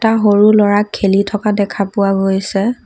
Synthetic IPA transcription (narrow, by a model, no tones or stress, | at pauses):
taɦoɹulɔɹakʰːelitʰɔkadɛkʰapʊwaɡojsɛ